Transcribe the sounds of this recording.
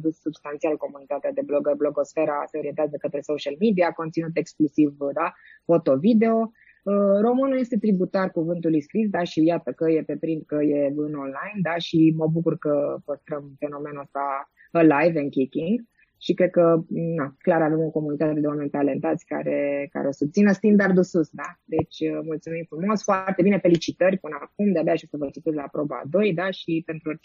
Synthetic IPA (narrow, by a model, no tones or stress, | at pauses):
d̪ussubst̪ant̪sialko̞munit̪at̪ead̪e̞bloɡəblo̞ɡo̞sfe̞ɾase̞o̞ɾient̪eazəkət̪ɾe̞soʃalmid̪iako̞nt̪sinut̪e̞ksklusivd̪a | fo̞t̪o̞vid̪e̞o̞ | əro̞mɨnulje̞st̪e̞t̪ɾibut̪arkuvɨnt̪ulujskɾisd̪aʃijat̪əkəjepe̞pɾind̪̚kəjeɨno̞nlajnd̪aʃiməbukurkəpəst̪ɾəmfe̞no̞me̞nuəst̪a | əlajvɨnkʲikʲiŋɡ | ʃikɾe̞d̪̚kənaklaɾave̞moko̞munikt̪at̪t̪ed̪ewame̞nʲt̪ale̞nt̪at̪sʲka̰ɾe̞ka̰ɾeo̞sut̪sinəst̪ind̪ard̪ususd̪ad̪e̞t͡ʃʲmult̪sumimfɾumo̞sfoart̪e̞bine̞fe̞lit͡ʃit̪ərʲpɨnəak̚umd̪eabeaʃosəvət͡ʃit̪eslaːpɾo̞ba̰d̪o̞jd̪aʃipe̞nt̪ɾuoɾʲ